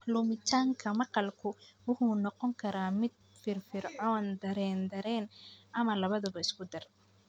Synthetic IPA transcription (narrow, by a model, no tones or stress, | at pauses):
lʊmɪt̪ʰaːŋkʰɐmɐqɑlkʰʊwʊħʊnɔqɔŋkʰɐɾaːmɪd̪̚ | fɪrfɪrʕɔːnd̪ɐɾɛːnd̪ɐɾɛːnʔɐmɐlɐβɐðɐβɐɪskʰʊd̪ɐr